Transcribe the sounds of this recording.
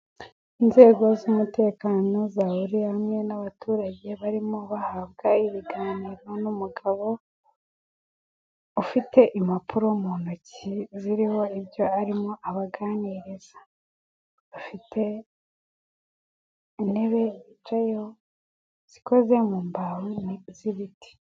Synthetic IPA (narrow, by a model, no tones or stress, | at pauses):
inze̞ːɡo̞zumute̞ːkaːno̞zahuɾiamŋe̞naβatʰuːɾaɟe̞βaɾimoβahabɡaiβiɡaːniːɾo̞numuɡaβo̞ | ufite̞ʔimapʰuɾomunociziɾiho̞ibjo̞aɾimoʔaβaɡaːniɾez̥ḁ | βafitʰe̞ | ine̞βe̞βit͡ʃajo | z̥iko̞ze̞muːmbahoniziβitʰi̥